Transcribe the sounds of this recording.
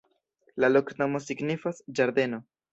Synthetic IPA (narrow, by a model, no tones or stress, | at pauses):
lalo̞kno̞mo̞siɡnifasd͡ʒaɾd̪e̞no̞